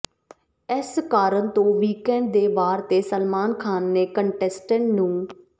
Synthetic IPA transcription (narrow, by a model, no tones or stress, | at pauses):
ɪskaːɾənt̪õːʋiːkɛ̃ːɳɖ̚d̪eːbaːɾt̪eːsəlmaːnkʰaːnːeːkəɳʈɛːsʈəɳʈnũː